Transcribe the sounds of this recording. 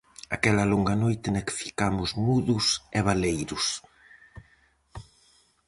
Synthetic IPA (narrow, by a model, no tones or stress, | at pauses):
akɛlɐloŋɡɐnojt̪ɪnɛkfi̥kamʊzmuðʊseβ̞alejɾʊs